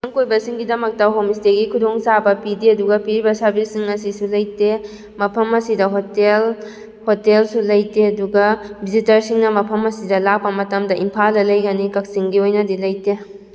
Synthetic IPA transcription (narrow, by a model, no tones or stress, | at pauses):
ɐŋkojbɐsiŋɡidɐmɐk̚tɐɦomisteɡikʰudoŋsabɐpidiɐduɡɐpiɾibɐsɐɾbʱisːiŋɐsisulɐjte | mɐpʰɐmɐsidɐɦotel | hotelsulɐjteɐduɡɐbʱizitɐɾsiŋnɐmɐpʰɐmɐsidɐlak̚pɐmɐtɐmdɐʔimpʰaldɐlɐjɡanikɐk̚siŋɡiojnɐdilɐjte